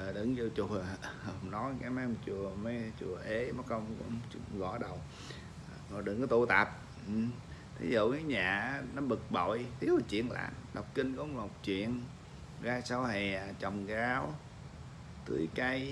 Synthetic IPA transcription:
ə˨˩ɗɨ̰˧˦ŋzi˧t͡ɕu˨˩ə˨ŋ͡mnɔ˨˦jka˨˦maː˧˦m˨˩t͡ɕu˨˩əme˨˧˦t͡ɕu˨˩əʔe˧˦mɔ˨˦kə˧wŋ͡mkŋ͡mt͡ɕɣɔ̰˧˩˦ɗə˨˩w | ɔ˨˩ɗɨ̰˨˧˨ŋkɔ˨˦t̪u˧t̪a˨˩p̚ | ʔ̩˨˩t̪ʰḭ˨˦zṵ˧˨kaː˨˦ɲaː˨˩˦nɔ˨˦ɓɨ˨˩k̚ɓo̰˧˨jt̪ʰi˨˦əwt͡ɕwḭ˧˨ənla̰ː˧˨mɗə˨˩wk͡p̚ki˧nkɔ˨˧˦mə˨˩wk͡p̚t͡ɕwḭ˧˨ən | ɣaː˧sa˧wɦɛ˨˩˨t͡ɕə˨˩wŋ͡mɣaː˨˦w | t̪ɨ̰˨˧˩ka˧j

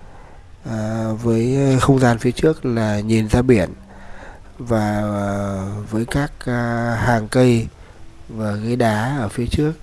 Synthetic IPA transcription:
ʔə˨˩vəː˨˦jxə˧wŋ͡mzaː˧nfi˨˦ət͡ɕɨ˦˥ək̚laː˨˩ɲi˨˩nzaː˧ɓi˧˩ən | vaː˨˩ | vəː˨˦jkaː˦˥k̚haː˨˩ŋkə˧j | vaː˨˩ɣə˧˦jɗaː˨˦ʔəː˧˩fi˨˦ət͡ɕɨ˦˥ək̚

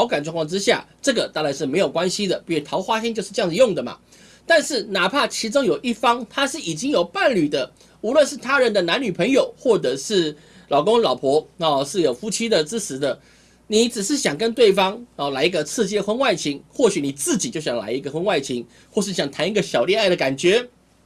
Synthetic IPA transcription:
ɑ˧˥ʊka˨nʈ͡ʂwŋkʰwɑ˥˧ʈ͡ʂɻ̩˥ɕja̰˥˩ʈ͡ʂɤ˥˩ɡə˩t̪a˥˩la˧˥ɪʂɻ̩˥˩me˧˥ɪjo˨˩ʊkwa˥nɕi˥d̪ə˨i˥˩ɛ˨˩tʰɑ˧˥ʊxwa˥ɕɛ˥nt͡ɕjʊʂɻ̩˥˧ʈ͡ʂjɑ˥˧ŋd͡zɹ̩˩˧jo˥˩ŋd̪ə˩ma̰˩ | t̪a˥˧nʂɻ̩˥˩na˨˩pʰa˥˩t͡ɕʰi˧˥ʈ͡ʂo˥ŋjo˨˩ʊʔi˥˩fɑ˥ŋt̪ʰa˥ʂɻ̩˥˩i˨˩t͡ɕi˥ŋjo˨˩ʊpa˥˩nly˨˩d̪ə˦ | u˧˥lwə˥˧nʂɻ̩˥˩t̪ʰa˥ɻə˧˥nd̪ə˨na˧˥nny˨˩pʰə˧˥ŋjo˨˩ʊxwɔ˥˩ʈ͡ʂɤ˨˩ʂɻ̩˥˩ | lɑ˨˩ʊkʊ˥ŋlɑ˨˩ʊpʰwɔ˧˥ɔ˨ʂɻ̩˥˩jo˨˩fu˥t͡ɕʰi˥d̪ə˨ʈ͡ʂɻ̩˥t͡s̩ʰ˧˥d̪ə˨ | ni˨˦t͡sɻ̩˨˩ʂɻ̩˥˩ɕjɑ˨˩ŋkə˦nt̪we˥˩ɪfɑ˥ŋɔ˨˩la˧˥ɪi˧˥ɡə˧t͡sʰɹ̩˥˧t͡ɕjɛ˥xwə˥nwa˥˩ɪt͡ɕʰi˧˥ŋxwɔ˥˩ɕy˨˦ni˨˩t͡sɹ̩˥˩t͡ɕi˨˩t͡ɕjo˥˩ʊɕjɑ˨˩ŋla̰˧˥ɪi˧˥ɡə˨xwə˥nwa˥˩ɪt͡ɕʰi˧˥ŋ | xwɔ˥˧ʂɻ̩˥˩ɕjɑ˨˩ŋt̪ʰa˧˥ni˧˥ɡə˧ɕjɑ˨˩ʊljɛ˥˧na˥˩ɪd̪ə˩ka˨˩nt͡ɕɥɛ˧˥˦

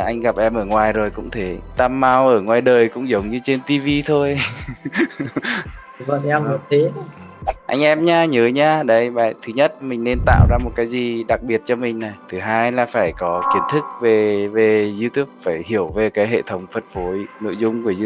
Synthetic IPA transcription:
ʔa˧jŋ̟ɣa˨˩p̚ʔɛ˧mʔəː˧˩ŋwaː˨˩jzo˨˩jkʊ̰˧˥ŋ͡mt̪ʰe˨˦t̪a˧mːaː˧wʔəː˧˩ŋwaː˨˩jɗəː˨˩jkʊ̰˧˥ŋ͡mzə˨˦wŋ͡mɲɨ˧t͡ɕe˧nt̪i˧vi˧t̪ʰo˧j | və̰˧˨ɛ˧m˨˩t̪e˨˦ | ʔa̰˧jŋ̟ʔɛ˧mɲaː˧ɲəː˨˦ɲaː˧ɗə˨˧˦jɓa̰ː˧˨jt̪ʰɨ˨˦ɲə˦˥t̚mï˨˩ŋ̟ne˧nt̪a̰ː˧˨wzaː˧mo˨˩t̚kaː˨˦jzi˨˩ɗa˨˩k̚ɓi˨˩ət̚t͡ɕɔ˧mï˨˩ŋ̟na˨˩jt̪ʰɨ˨˦ɦaː˧jlaː˨˩faː˧˩jkɔ˨˦ki˨˦ənt̪ʰɨ˦˥k̚ve˨˩ve˨˩zi˧t̪u˦˥p̚faː˧˩jhi˧˩əwve˨˩kaː˨˦jɦḛ˧˨t̪ʰə˨˦wŋ͡mfə˨˩t̚fo˨˦jno̰˧˨jzʊ˧ŋ͡mku˧˩əz

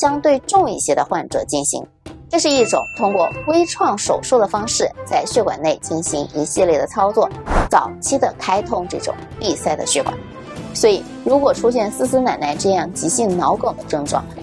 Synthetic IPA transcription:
t͡ɕjɑ˥ŋt̪we˥˧ɪʈ͡ʂʊ˥˧ŋi˥˩ɕjɛ˥d̪ə˧xwa˥˩nʈ͡ʂɤ̰˨˩˦t͡ɕi˥˩nɕḭ˧˥ŋ | ʈ͡ʂɤ˥˧ʂɻ̩˥˧i˥˩ʈ͡ʂʊ̰˨˩˦ŋt̪ʰʊ˥ŋkwɔ˥˩we˥ɪʈ͡ʂʰwɑ˥˩ŋʂo˨˩ʊʂu˥d̪ə˩fɑ˥ŋʂɻ̩˥˩t͡sa˥˧ɪɕɥɛ˥˩kwa̰˨˩ne˥˩ɪt͡ɕi˥˩nɕi˧˥ŋi˧˥ɕi˥˧ljɛ˥˩d̪ə˩t͡sʰɑ˥ʊt͡swɔ˥˩t͡sɑ˨˩ʊt͡ɕʰi˥d̪ə˨˩kʰa˥ɪt̪ʰʊ˥ŋʈ͡ʂɤ˥˩ʈ͡ʂʊ̰˨˩ŋpi˥˧sa˥˩ɪd̪ə̰˩ɕɥɛ˥˩kwa̰˨˩˦n | swɔ˧˥i˨˩ | ɻu˧˥kwɔ˨˩ʈ͡ʂʰu˥ɕjɛ˥˩nsɹ̩˥sɹ̩˥na˨˩nna˥˧ɪʈ͡ʂɤ˥˧jɑ˥˩ŋt͡ɕi˧˥ɕi˥˩ŋnɑ˧˥ʊko˨˩ʊd̪ə˦ʈ͡ʂɤ˥˧ŋʈ͡ʂwɑ̰˥˩ŋ

